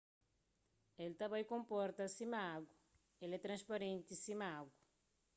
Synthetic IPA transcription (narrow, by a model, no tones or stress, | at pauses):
elt̪ɐβajkõmpɔɾt̪ɐsimaɡu | elɛt̪ɾɐ̃nspɐɾẽnt̪isimaɡu